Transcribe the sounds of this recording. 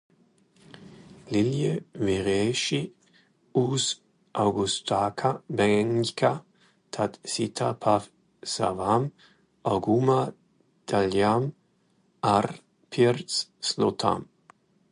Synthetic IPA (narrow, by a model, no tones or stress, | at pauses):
liljəviʁeʃi | us | ʔawɡust̪ʰakʰabɛŋkʰa | tʰat̪sit̪ʰapʰaf | sa̰vam | ʔawɡuma | d̪̥aljam | ar | pʰiɾtsslot̪ʰa̰m